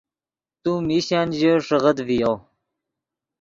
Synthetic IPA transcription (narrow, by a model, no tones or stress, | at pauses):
t̪umiɕaːnʑəʂəʁəd̪vijo